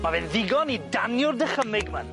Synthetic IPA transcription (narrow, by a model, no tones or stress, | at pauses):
mavɪnðɪɡɔnidanjʊrdəχəmɪɡmən